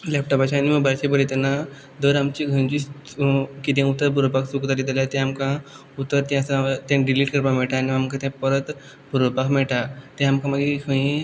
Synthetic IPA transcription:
lɛp̚ʈɔpat͡ɕʰaːniməɡbaɾt͡ɕepəɾit̪ena | d̪əɾamt͡ɕiɡʱə̃nd͡ʑis | kit̪ɛ̃ut̪ːəɾbuɾopaksukt̪ad̪et̪elat̪ɛ̃amkã | ut̪ːəɾt̪ɛ̃asat̪ɛ̃ɖiliʈkəɾpamɛɭʈaːniamkat̪ɛ̃pəɾət̪ | bʱuɾopakmɛɭʈat̪ɛ̃amkãmaɡekʰə̃ĩ

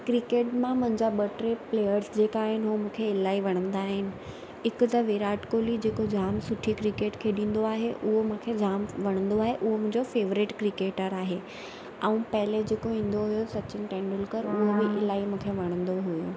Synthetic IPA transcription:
kɾɪkeːʈmãmʊ̃ɦɪ̃ɲd͡ʑaɓɐʈɾepleːjəɾsd͡ʑeːkaːɦɪnɪ̆ɦumũːkʰeɪlaːiʋɐɽ̃ə̃nd̪aːɦɪnɪ̆ | ɦɪkʊt̪ɐʋeɾaːʈkoːlid͡ʑeːkod͡ʑʱaːmsʊʈʰikɾɪkeːʈkʰeɗĩːn̆d̪oaːɦeʔʊɦomũːkʰed͡ʑʱaːmʋɐɽ̃ə̃nd̪oaːɦeʔʊɦomʊ̃ɦɪ̃ɲd͡ʑofeːʋɾɪʈkɾɪkeːʈəɾaːɦe | ɛ̃ũpɐɦɪled͡ʑeːkoĩːn̆d̪oɦʊjosɐt͡ɕɪnɪʈɛ̃ːɳɖɪlkəɾʊɦobɪʔɪlaːimũːkʰeʋɐɽ̃ə̃nd̪oɦujo

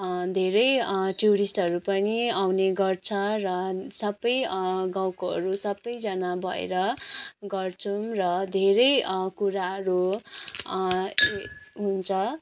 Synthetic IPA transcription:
d̪ʱeɾʌjʈuɾisʈʌɾupʌniawneɡʌrt͡sʰʌrʌsʌbʌjɡawkoɦʌ̰ɾusʌbːʌjd͡zʌnabʱʌḛɾʌɡʌrt͡sʰumrʌd̪ʱeɾʌjkuɾaɦʌɾu | ɦunt͡sʰʌ

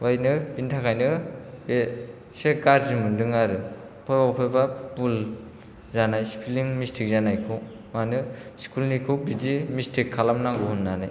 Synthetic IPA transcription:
wajnɯpintʰakʰajnɯbe | sekaɾzimɯndɯŋaɾɯ | pʰɔjbapʰɔjbapul | zanajspʰiliŋmistʰik̚zanajkʰɯw | manɯskʰulnikʰɯwbidimistʰikʰːalamnaŋɡuɦunːanaj

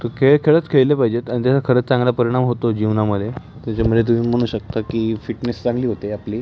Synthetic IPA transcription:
t̪əkʰeɭkʰeɭət͡skʰeɭlepaɦid͡ʑet̪aɽ̃it̪jasakʰəɾəːt͡st͡sãŋɡlapəɾiɽ̃amɦot̪od͡ʑiʋnaməd̪ʱe | t̪jat͡ɕaməet̪̬um̤iːm̤əɽ̃ũːɕək̚t̪akiːfiʈnest͡sãŋɡliːɦot̪eapliː

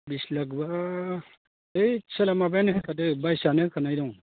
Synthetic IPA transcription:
bislaɡba | ejsalamabajnɯkkʰadɯbajsanɯkʰanajdɔŋ

